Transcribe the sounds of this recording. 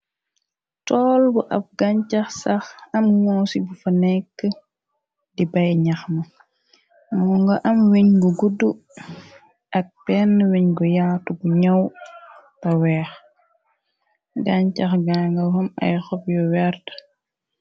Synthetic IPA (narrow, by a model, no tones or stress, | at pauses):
tɔːlbuʔɐ̰f̚ɡaɲcɐxsɐxɐmŋɔːsibufɐnɛkːə | dibɐjɲɐxmɐ | mɔŋɡɐʔɐmwiɲɡuɡudu | ʔɐk̚bɛnːwiɲɡujaːtuɡuɲɐw | tɐwɛːx | ɡaɲt͡ʃɐxɡaŋɡɐhɐmɐ̰jxɔp̚jɔwɛɾt